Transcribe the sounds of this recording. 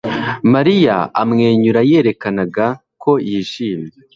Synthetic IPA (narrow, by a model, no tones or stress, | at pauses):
maɾija̰a̰mŋe̞ːɲuɾaje̞ɾe̞kanaɡa | kʰo̞jiʃiːmje